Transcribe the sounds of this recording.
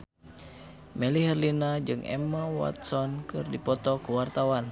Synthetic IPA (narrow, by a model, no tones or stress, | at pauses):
mɛliɦɛrlinad͡ʒɨŋɛ̰mawa̰t̪sɔnkɨrdipɔt̪ɔkuwart̪awan